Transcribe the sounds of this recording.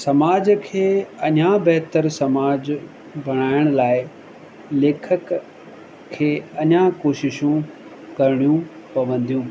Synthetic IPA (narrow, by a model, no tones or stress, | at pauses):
sɐmaːd͡ʑkʰeːɐɲãbɛɦt̪əɾsɐmaːd͡ʑ | bʱɐɽ̃aːɪəɽ̃laːɪ | leːkʰəkʰː | eːɐɲãkoːʃɪʃũ | kɐɾɪɽ̃ijũ | pɐʋə̃nd̪ʱijũː